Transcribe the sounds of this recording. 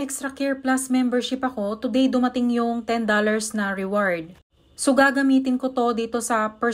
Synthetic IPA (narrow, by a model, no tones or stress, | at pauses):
ʔɛkst̪ɾɐkɛɹplasmɛmbɛɹʃɪpɐko̞t̪ʊd̪ɛjd̪ʊmɐt̪ɪŋjʊŋt̪ɛnd̪olɐɹsnɐɹɪwaɹd̪̚ | soɡaːɡɐmiːt̪ɪnko̞t̪o̞d̪iːt̪o̞sɐpɛ